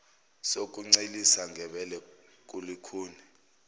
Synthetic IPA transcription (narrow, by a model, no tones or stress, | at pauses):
sok̬ʼuŋ͡ǀelisaŋɡʱɛɓɛlɛk̬ʼulikʰuːni